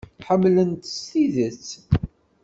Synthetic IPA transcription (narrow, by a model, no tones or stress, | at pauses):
ħəmːlənt̪əst̪iðət͡sː